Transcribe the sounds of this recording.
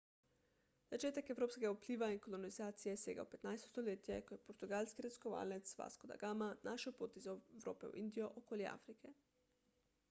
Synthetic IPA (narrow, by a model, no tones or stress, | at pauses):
z̥at͡ʃeːt̪akewɾoːpskʲeɡaupliːʋainkolonizaːt̪sijeseːɡa̰wpet̪najst̪ost̪oleːt̪jɛkoɛpoɾt̪uɡaːlʲskiɾɛzkoʋa̰ːlnet̪sʋa̰skod̪a̰ɡaːmanʔaʃɛwpoːt̪izawɾo̰ːpɛw̰ʔind̪ijoʔokoːljɛ̰a̰ːfɾikʰɛ